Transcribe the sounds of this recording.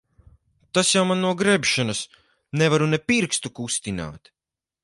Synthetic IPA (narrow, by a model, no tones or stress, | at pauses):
t̪asjawmanːuɔɡɾɛbʃanɐs | nɛvaɾunɛpiɾkst̪ukust̪ina̰ːt̪